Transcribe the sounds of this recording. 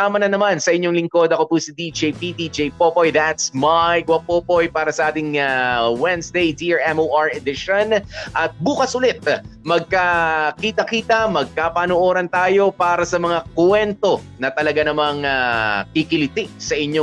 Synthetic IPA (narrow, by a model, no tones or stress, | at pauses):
aːmɐnɐnɐmansɐʔɪɲːoŋlɪŋko̞d̪ɐkopusid̪id͡ʒejpid̪id͡ʒejpopojðat̪smajɡwɐpopojpaːɾɐsɐʔaːt̪ɪŋawɛnsd̪ejd̪iaɹɛmoʔaɹɛd̪ɪʃonʔɐt̪̚buːkɐsʊlɛt̪̚mɐɡ̚kɐkiːt̪ɐkiːt̪ɐmɐɡ̚kapɐnoʔo̞ːɾɐnt̪aːjo̞paːɾɐsɐmɐŋakwɛnt̪o̞nɐt̪ɐlɐɡanɐmaŋakɪkɪlɪt̪ɪsɐʔɪɲːo